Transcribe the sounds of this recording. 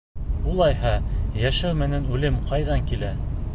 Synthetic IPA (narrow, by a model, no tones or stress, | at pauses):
ulˠɑjɦɑjæʃæwmɘ̆nænʉlɘmqɑjðɑŋkilæ